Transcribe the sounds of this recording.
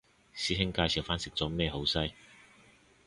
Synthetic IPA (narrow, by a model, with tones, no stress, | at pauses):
siː˥ɦɪ˥ŋkaː˧jsi˨˩wfaː˦˥nsɪ˨k̚t͡sɔː˨˥mɛː˧ho˨˥wsɐ˥j